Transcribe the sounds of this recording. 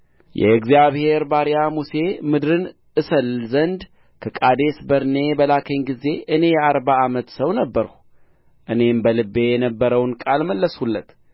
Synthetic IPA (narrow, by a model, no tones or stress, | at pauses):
jʔɛ̰ɨɡzjaβhe̞ɾbaɾijamuse̞mɨd̪ɾɨn | ʔɨsəlzənd̪ | kʰəkʼad̪e̞sbəɾne̞bəlakʰəɲɡize̞ʔɨne̞jɛaɾbaːmət̪səwnəbːəɾ | ʔɨne̞mbəlɨbːe̞jɛnəbːəɾəwnkʼalməlːəsulːət̪